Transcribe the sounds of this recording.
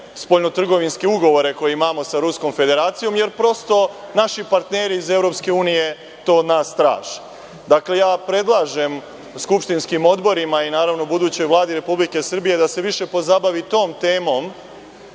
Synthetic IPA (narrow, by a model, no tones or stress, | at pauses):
spo̞lno̞t̪r̩ɡo̞ʋinskeuɡo̞ʋo̞ɾe̞ko̞jeimaːmo̞saɾusko̞mfe̞d̪e̞ɾaːt̪sijo̞mje̞ɾpɾo̞st̪o̞naʃipaɾt̪ne̞ɾiːze̞vɾo̞pske̞uːnije̞ | t̪o̞ːd̪naːst̪ɾa̰ːʒ | d̪akle̞jaːpɾe̞d̪lˠaːʒe̞m | skupʃt̪inskimo̞d̪bo̞ɾimainaːɾaʋno̞bud̪uːt͡ɕo̞jʋlˠaːd̪iɾe̞publike̞srbije̞d̪ase̞ʋiʃe̞po̞zabaʋit̪o̞ːmt̪e̞ːmo̞m